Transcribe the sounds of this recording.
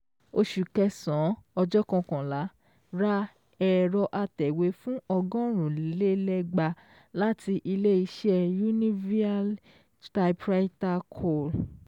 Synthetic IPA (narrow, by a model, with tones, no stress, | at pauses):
o˧ʃu˨kɛ˧sɔ̃˨˦ɔ˧d͡ʒɔ˦kɔ̃˧kã˨la˨˦ | ɾa˦ | ɛ˨ɾɔ˧ʔa˧tɛ˨we˨˦fũ˦ɔ˧ɡɔ̃˦ɾ̃ũ˨li˨˦le˦lɛ˦ɡ͡ba˧ | la˦tʰi˧ʔi˧le˦i˧ʃɛ˦ju˦nĩ˦vi˦a˦l | ta˧pɾa˦i˦ta˧kʰo˦˨l